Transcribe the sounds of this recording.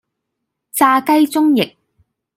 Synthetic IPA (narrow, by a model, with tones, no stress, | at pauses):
t͡saː˧kɐ˥jt͡sʊ˥ŋjɪ˨k̚